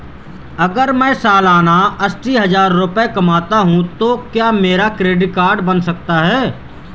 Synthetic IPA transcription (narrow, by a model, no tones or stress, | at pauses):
ɐɡəɾmɛ̃ːsaːlaːnaɐsʈiɦɐzaːɾːʊpekɐmaːt̪aɦũt̪okjaːmeːɾakɾeːɖɪʈ̚kaːɾɖbənsɐk̚t̪aɦɛː